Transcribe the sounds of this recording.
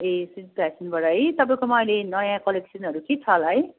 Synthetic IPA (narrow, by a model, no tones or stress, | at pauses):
esit̚pasinbʌɾajt̪ʌpãj̃komaːjlenʌjãkʌleksiʌnɦʌɾukeʈʰalaj